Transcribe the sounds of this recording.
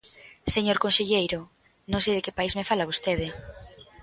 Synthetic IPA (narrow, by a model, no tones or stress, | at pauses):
seɲoɾkonseʎejɾʊ | nõŋsejðekepaizmefalaβost̪eðɪ